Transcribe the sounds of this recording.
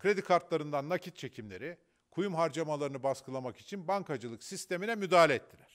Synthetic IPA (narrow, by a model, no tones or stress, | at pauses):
kʰɾe̞d̪ikʰaɾt̪lˠaɾɯnd̪anːakcʰit̪̚t͡ʃʰe̞cʰimlʲe̞ɾi | kʰujumɦaɾd͡ʒamalˠaɾɯnɯbaskɯlˠamaki̥t͡ʃʰinbaŋkad͡ʒɯlˠɯksist̪e̞minɛmyd̪aːlʲeːt̪ːilʲæɾ̥